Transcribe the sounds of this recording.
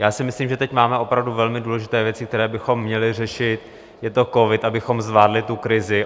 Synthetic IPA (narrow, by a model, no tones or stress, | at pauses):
jaːsɪmɪsliːmʒɛt̪ɛcmaːmɛʔo̞pɾavduvɛlmɪduːlɛʒɪt̪ɛːvjɛt͡sɪk̚t̪ɛɾɛːbɪxo̞mːɲɛlɪr̝ɛʃɪt̪ | jɛt̪o̞ko̞vɪt̪ʔabɪxo̞mzvaːdlɪt̪ukɾɪzɪ